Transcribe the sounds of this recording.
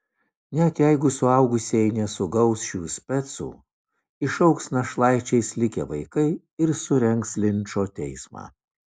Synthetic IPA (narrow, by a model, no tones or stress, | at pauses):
nʲɛt̪jæɪɡʊsʊɑʊɡʊsʲɛjnʲɛsʊɡɐʊsʃʲuːsʲpʲɛt̪sṵː | ɪʃɐʊksnɐʃlˠɑˑɪt͡ʃʲɛɪsʲlʲɪkʲḛːʋɐɪkɐɪ | ɪɾsʊɾʲɛŋkslʲɪnʲt͡ʃoːt̪ʲɛɪsmɑ̰ː